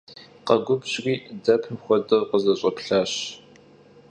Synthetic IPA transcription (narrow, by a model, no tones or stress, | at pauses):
qɐɡʷʊbɕrʷiːdɐpʰmxʷɔdɨrqəzɐɕʼɐpɬaːɕ